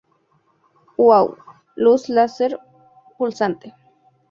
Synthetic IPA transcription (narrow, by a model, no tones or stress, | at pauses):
waw | luslaseɾ | pulsant̪e̥